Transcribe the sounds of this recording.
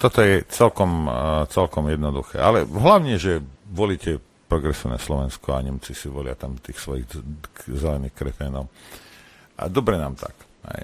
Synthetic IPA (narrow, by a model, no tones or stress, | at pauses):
t̪ɔt̪ɔjɛt͡sɛlkɔmt͡sɛlkɔmjɛd̪nɔd̪uxɛ̰ːʔalɛɦlaʊɲɛʒɛʋɔliːcɛ | pɾɔɡɾɛsiːʊna̰slɔʋɛnskɔaɲɛmt͡sisiʋɔlɪa̰t̪amt̪iːxsʋɔjḭɣzɛlɛniːxkɾɛfɛːnɔʊ | a̰d̪ɔbɾɛnaːmt̪a̰k | ɦɛ̰